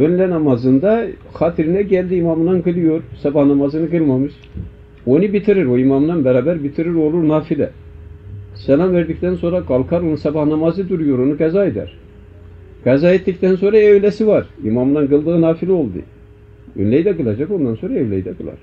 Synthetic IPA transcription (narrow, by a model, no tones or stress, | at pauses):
ønlʲɛnɑmazɯnd̪a | xat̪ʰiɾinɛɟɛlʲd̪iːmɑmɯnanɡɯlˠɯjoɾsɑbahnamazɯnɯɡɯlˠmamɯʃ | o̞nɯbit̪ʰiɾiɾoimamɯnanbɛɾaːbæɾbit̪ʰiɾiɾo̞lˠuɾnaːfilʲɛ̰ | sɛlʲˠanveɾd̪ic̚t̪ʰɛnso̞nɾaɡalˠkʰaɾonunsɑbɑhnamazɯd̪uɾujo̞ɾo̞nuɡazaed̪æ̰ɾ̥ | ɡ̥azaːet̪ːict̪ʰɛns̬o̞nɾaeøvlʲɛsivaɾḭmɑmɯnanɡɯlˠd̪ɯɣɯnaːfilʲio̞lˠd̪ɯ̰ | ø̰nlʲɛjid̪ɛɡɯlˠad͡ʒako̞nd̪anso̞nɾaevlʲɛjid̪ɛɡɯlˠa̰ɾ̥